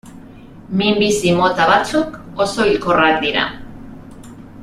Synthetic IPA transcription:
mimbisimo̞t̪aβat͡suko̞so̞ilkorak̚d̪iɾa̰

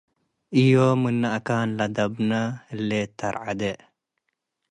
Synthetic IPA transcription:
ijomɨnːɐʔɐkaːnlɐd̪ɐbnɐəlːet̪ɐ̰ɾʕad̪eʔ

